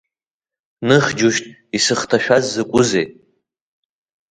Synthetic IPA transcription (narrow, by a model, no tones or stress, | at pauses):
nɨχʲd͡ʒuʃtʼ | isɨχtʰaʃᶣazːɨkʷʼʊzejtʼ